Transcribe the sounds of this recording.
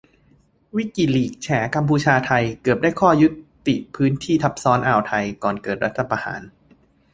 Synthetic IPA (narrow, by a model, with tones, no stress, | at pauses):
wi˦˥ki˨˩liː˨˩k̚t͡ɕʰɛː˩˦ka˧mpʰuː˧t͡ɕʰaː˧t̪ʰa˧jkɤ˨˩p̚daː˥˩jkʰɔː˥˩ju˦˥t̪ːḭ˨˩pʰɯː˦˥nt̪ʰiː˥˩t̪ʰa˦˥p̚sɔː˦˥nʔaː˨˩wt̪ʰa˧jkɔː˨˩nkɤː˨˩t̪̚ɾa˦˥t̪ʰːa˧pa˧ha̰ː˩˦n